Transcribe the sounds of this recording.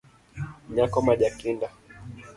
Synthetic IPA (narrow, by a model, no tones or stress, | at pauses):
ɲakɔmaʄakinda